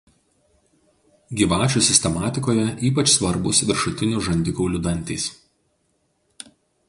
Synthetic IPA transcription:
ɡʲiːʋɑːt͡ʃʲuːˑsʲɪsʲt̪ʲɛmɑːt̪ʲɪkoːjɛʔiːpɐt͡ʃsʋɐɾbʊsʋʲɪɾʃʊt̪ʲɪnʲuːʒɐnʲd̪ʲɪkuːlʲʊd̪ɐnʲt̪ʲḭːs

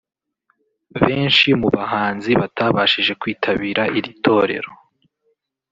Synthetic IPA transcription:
βeːnʃimuβaɦaːnziβataːβaʃiʒe̞kwiːtʰaβiːɾaʔiɾitʰo̞ːɾe̞̰ɾo

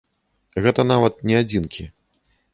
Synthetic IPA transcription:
ɣɛt̪ɐnavɐt̪̚nʲɛad͡zʲinkʲʰi

